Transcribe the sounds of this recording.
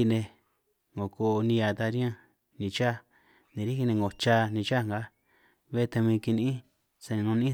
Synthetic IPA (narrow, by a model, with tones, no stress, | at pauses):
i˧nẽ˧ | ŋɡo˨ko˧˨˧nĩ˧a˧˨t̪a˧ɾjã˦˧ | nĩ˧t͡ʃa˦ | nĩ˨ɾi˦hi˦˧nẽ˧ŋɡo˨t͡ʃa˧nĩ˧t͡ʃa˦˨ŋɡa˨˦ | βe˦˧t̪a˧mĩː˧ki˧nĩ˦ | sa˧nĩ˨nũ˧nĩ˦